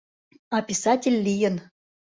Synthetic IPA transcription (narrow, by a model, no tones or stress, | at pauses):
ɑpʲisɑtʲɪlʲːijə̆n